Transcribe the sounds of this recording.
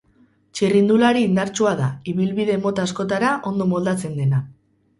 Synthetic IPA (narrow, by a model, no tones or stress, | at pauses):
t͡ʃirind̪ulaɾiːnd̪aɾt͡ʃuaðaiβilβiðe̞mo̞t̪asko̞t̪aɾaʔo̞nd̪o̞mo̞ld̪at͡se̞nd̪e̞na